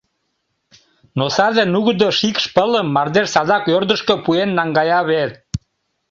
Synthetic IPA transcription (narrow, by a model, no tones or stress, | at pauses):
nosɑzenuɣd̪oʃikʃpələmːɑrd̪eʃsɑzɑkørd̪əʃkøpuenːɑŋɡɑjɑβet̪